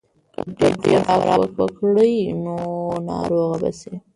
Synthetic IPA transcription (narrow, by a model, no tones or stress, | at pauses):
ɖeɖeɾawɾʔɑ̰wəkwəkɽəjnonɑ̰ɾoɣabase